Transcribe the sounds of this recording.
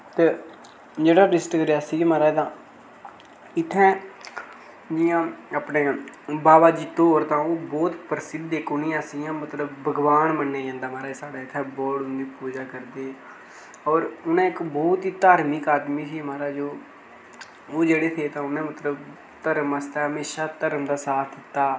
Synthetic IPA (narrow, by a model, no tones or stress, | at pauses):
t̪eː | d͡ʒeːɽaːɾɪsʈkəɾeaːsiːmaːɾaːt̪ãː | ɪt̪ʰːɛ̃ː | d͡ʒɪjãːaːpneːbaːbaːd͡ʒiːt̪oːɾt̪ãːoːbɔːt̪pəɾsɪd̪ːeːkʊnĩːãːsijãːmət̪ləbːəɡʋaːnmənːeːd͡ʒãːnd̪aːmaːɾaːsaːɽaːɪt̪ʰːɛ̃ːbɔːɽʊnd̪iːpuːd͡ʒaːkəɾd̪eː | ɔːɾʊnãːɪkbɔːt̪ɦiːt̪aːɾmɪkaːd̪miːsiːmaːɾaːd͡ʒoː | oːd͡ʒeːɽeːt̪ʰeːt̪ãːʊnẽːmət̪ləb | t̪əɾəməst̪aːɦəmeːʃaːt̪əɾəmd̪aːsaːt̪ʰd̪ɪt̪ːaː